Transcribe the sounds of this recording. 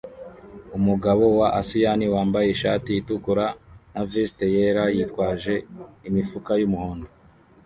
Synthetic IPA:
umuɡaβo̞waʔasijaniwaːmbaje̞iʃaːtijitukuɾanaviste̞jeɾajiːtkwaːʒe̞imifukajumuhoːndo

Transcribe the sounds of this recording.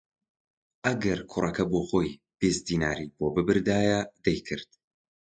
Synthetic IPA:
ʔɐɡɐɾkʰʊrʔɐkɐboːxoːj | b̥ezd̪iːnaːɾiːboːbɨbɨɾd̪aːjɐd̪ɐjkʰɨɾd̪̥

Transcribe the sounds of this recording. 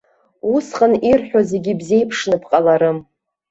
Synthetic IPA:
usqʼənirħᶣaze̞ɡʲibze̞jpʰʂnɨpʰqʼalaɾɨm

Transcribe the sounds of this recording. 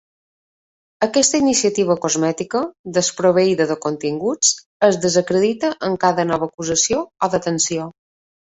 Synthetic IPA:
əkɛst̪əinisiət̪iβ̞əkozmɛt̪ikəd̪əspɾoβ̞əiðəðəkont̪iŋɡut͡s | əzðəzəkɾəðit̪əʔəŋkaðənɔβ̞əkuzəsioɔðət̪ənsio

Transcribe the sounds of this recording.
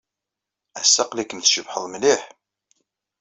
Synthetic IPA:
æsːəqlikːənθʃəbħəðˤmliħ

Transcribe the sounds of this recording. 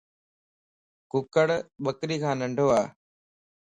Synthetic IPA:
kʊkəɽɓəkɾiːkʰãːnəɳɖʱoːaː

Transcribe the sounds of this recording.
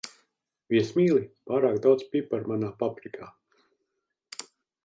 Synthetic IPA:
viɛsmʲiːlˠipaːɾaːkd̪awt̪spʲipaɾmanaːpapɾikʰaː

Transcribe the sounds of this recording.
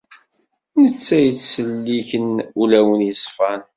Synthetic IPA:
nət͡sːæjət͡sːəlːiçənulæwənjəsˤfɑn

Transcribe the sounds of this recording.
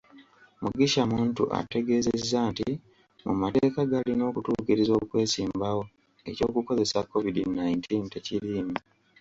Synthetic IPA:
muɡiʃamuːntṵʔa̰te̞ɡe̞ːzezːaːnti | mṵmateːkaɡalino̞ːkutuːkiɾizo̞ːkwe̞ːsiːmbawo̞ | e̞̰co̞̰ːkuko̞ze̞sakːo̞vidinajntʰinteciɾiːmu

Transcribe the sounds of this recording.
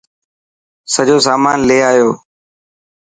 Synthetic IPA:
səʄoːs̬aːmaːnleːaːɦjoː

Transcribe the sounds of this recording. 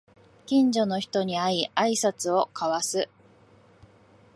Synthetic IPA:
kʲĩɲd͡ʑo̞no̞çi̥t̪o̞ɲ̟iaiaisat͡sɨo̞kaβasɨ

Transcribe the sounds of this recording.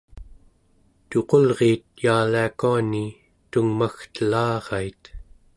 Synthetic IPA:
t̪o̞qo̞lʁeːt̪̚jaːliakuani | t̪uŋmaxt̪əlɑːʁɑit̪

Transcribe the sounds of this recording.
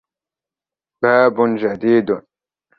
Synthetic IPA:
b̥aːbunʒad̪iːd̪un

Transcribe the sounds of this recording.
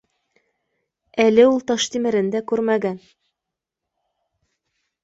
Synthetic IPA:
ælɘulˠt̪ɑʃt̪imɘ̆ɾɘ̆nd̪ækʉɾmæɡæn

